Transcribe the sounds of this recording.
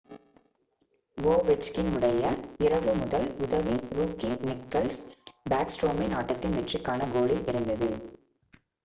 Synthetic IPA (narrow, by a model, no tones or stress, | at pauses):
ʋoːʋɛt͡ʃkɪnɯɽɐjɐɪɾɐʋɯmʊðɐlʊðɐʋiɾuːkinɪkkːɐlsbaːksʈɾoːminaːʈːɐt̪ːɪnʋɛʈrɪkːaːnɐɡoːɭiʔɪɾɯnd̪ɐðɯ